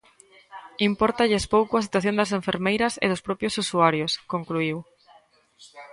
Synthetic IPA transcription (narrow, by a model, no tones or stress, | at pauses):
impɔɾt̪aʎespowkʊɐs̬i̥t̪waθjõnd̪ɐs̬eɱfeɾmejɾɐsḛðospɾɔpjosusuaɾjoskoŋkluiw